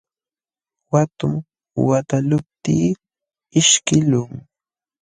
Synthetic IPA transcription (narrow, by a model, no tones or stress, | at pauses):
wat̪ʊm | wat̪alʊp̚t̪iː | ɪʃkɪlʊŋ